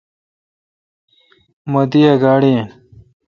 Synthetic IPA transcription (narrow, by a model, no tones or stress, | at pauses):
mɐd̪ijɐɡaːɽien